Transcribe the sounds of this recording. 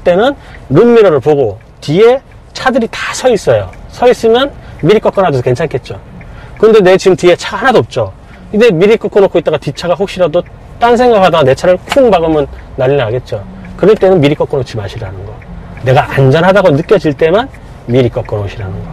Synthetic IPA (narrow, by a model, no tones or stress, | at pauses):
t͈e̞nɯnɾɯmːiɾʌɾɯɭpoɡo | tie | t͡ɕʰadɯɾitḁsʰʌis͈ʌjosʰʌis͈ɯmjʌnmiɾik͈ʌk͈ʌnɦadosʰʌke̞nt͡ɕʰankʰe̞t̚t͡ɕ͈okɯɾʌnde̞ne̞t͡ɕiɡɯmtie̞t͡ɕʰaɡahanadoːp̚t͡ɕ͈o | id͡ʑe̞miɾik͈ʌk͈onokʰoit͈aɡatit͡ɕʰaɡaɸok̚ɕ͈iɾado | t͈ansʰe̞ŋɡakʰadaɡne̞t͡ɕʰaɾɯɭkʰuŋbaɡɯmɯnːaʎːinaɡe̞t̚t͡ɕ͈o | kɯɾʌɭt͈e̞nɯnmiɾik͈ʌk͈onok̚t͡ɕʰimaɕʰiɾanɯnɡʌne̞ɡaʔand͡ʑʌnɦadaɡonɯk͈jʌd͡ʑiɭt͈e̞man | miɾik͈ʌk͈ʌnoɕʰiɾanɯnɡʌ